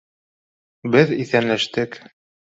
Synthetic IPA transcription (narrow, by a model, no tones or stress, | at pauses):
bɘðiθænlæʃt̪ɘk